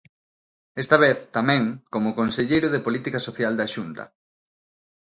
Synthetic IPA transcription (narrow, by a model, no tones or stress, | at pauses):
ɛst̪ɐβ̞eθt̪amɛ̃ŋkomʊkonseʎejɾʊðepolit̪ikasoθjald̪aʃunt̪ɐ̰